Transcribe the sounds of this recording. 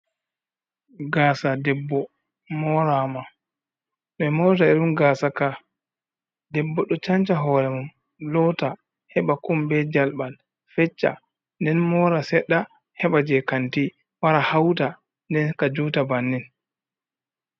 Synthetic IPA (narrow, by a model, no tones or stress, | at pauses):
ɡaːsadɛbːɔ | mɔɾama | ɗɔɛmɔwt̬aiɗumɡaːsaka | dɛbːɔɗɔt͡ʃaɲt͡ʃaɦɔɾɛmum | lɔta | hɛɓakumbɛd͡ʒalɓal | fɛt͡ʃːa̰ | ndɛnmɔːɾasɛɗːa | hɛɓad͡ʒɛkanti | waɾahawta | ndɛnkad͡ʒutabanːin